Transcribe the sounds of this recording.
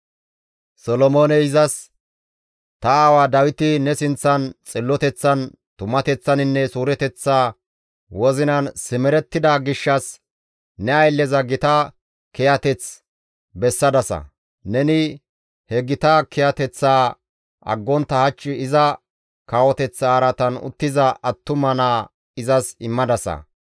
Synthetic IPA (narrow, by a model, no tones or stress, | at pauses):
sɔlɔmoːnɛɪzɐs | t̪ɐaːwaːd̪ɐwɪt̪ɪnɛsɪnt͡sːɐnt͡sʼɪlːɔt̪ɛt͡sːɐn | t̪ʊmɐt̪ɛt͡sːɐnɪnːɛsuːɾɛt̪ɛt͡sːaː | wɔzɪnɐnsɪmɛɾɛt̪ːɪd̪aɡɪʃːɐs | nɛɐjlːɛzɐɡɪt̪a | kɛjɐt̪ɛt͡s | bɛsːɐd̪ɐsɐ̰ | nɛnɪ | hɛɡɪt̪ɐkɛjɐt̪ɛt͡sːaː | ʔɐ̰ɡːɔnt̪ːɐhɐt͡ʃːɪɪzɐ | kaːwɔt̪ɛt͡sːaːɾɐt̪ɐnʊ̰t̪ːɪzɐʔɐt̪ːʊmɐnaː | ɪzɐsɪmːɐd̪ɐsɐ̰